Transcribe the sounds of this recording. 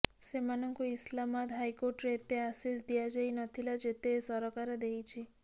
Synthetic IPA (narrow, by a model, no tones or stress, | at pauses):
semanɔŋkuislamad̪ɦajkoɾʈɾet̪easisd̪ijad͡ʒajnɔt̪ʰilad͡ʒet̪esɔɾɔkaɾed̪ejt͡ʃʰi